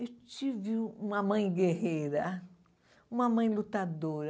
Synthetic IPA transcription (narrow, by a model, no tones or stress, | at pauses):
ewt͡ʃivɪũmɐmɐ̃j̃ɡehejɾɐ | ũmɐmɐ̃j̃lut̪ad̪oɾɐ